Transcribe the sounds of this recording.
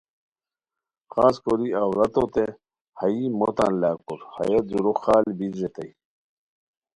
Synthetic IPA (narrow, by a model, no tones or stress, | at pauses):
xaːskoɾiawɾɐt̪ot̪e | hɐimot̪anlaːkuɾhɐ̰jɐzuɾoxaːlbidɾet̪ɐj